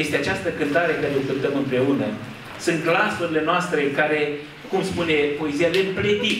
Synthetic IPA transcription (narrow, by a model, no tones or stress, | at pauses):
jest̪e̞at͡ʃast̪əkɨnt̪aɾekaɾeo̞kɨnt̪əmɨmpɾe̞unə | sɨnt̪klasuɾile̞noast̪ɾe̞kaɾe̞ | kumspune̞po̞e̞zijalempled̪i